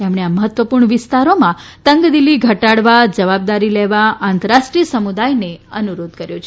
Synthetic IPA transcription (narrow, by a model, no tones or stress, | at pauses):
emɳeaməɦət̪ʋəpuɾɳəʋɪst̪aɾomãt̪əŋɡd̪ilːiɡʱəʈaɽʋad͡ʒəʋab̚d̪aɾileʋaãnt̪əɾaʃʈɾiəsəmud̪ajneənuɾod̪kəɾjot͡ʃʰe